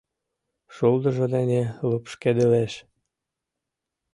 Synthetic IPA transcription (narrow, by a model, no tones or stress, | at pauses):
ʃuld̪ə̆ʒɤ̆d̪enelupʃked̪eleʃ